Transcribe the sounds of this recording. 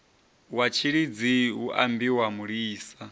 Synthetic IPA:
wat͡ʃʰiɺid͡ziuʔa̰mbiwamuɺiːsa

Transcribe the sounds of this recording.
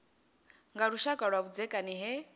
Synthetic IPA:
ŋɡaɺuʃakʼaɺwaβud͡zɛkʼaniɦɛ

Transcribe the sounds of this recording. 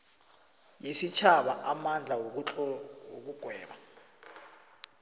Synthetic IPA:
jisit͡ʃʰaɓaʔamand͡ɮʱa | ok̬uɡ̥ʱwɛːɓa

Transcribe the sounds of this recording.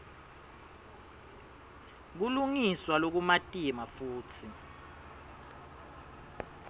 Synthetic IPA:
k̬uluŋiswalok̬umatʼimafuːtʰi

